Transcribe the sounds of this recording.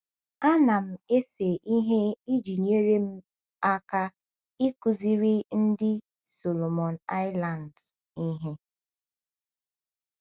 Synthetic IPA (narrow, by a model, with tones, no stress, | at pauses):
a˦na˨m̩˦˨e˦se˨ʔi˦ɦe˦i˦d͡ʒi˨ɲ˦e˦ɾe˦m̩˦ | a˦ka˦ | i˦ku˨zi˦ɾi˦n̩˦dɪ˦ | so˨lo˨mɔ˨na˦ɪ˦la˨n̩˨d | i˦ɦe˦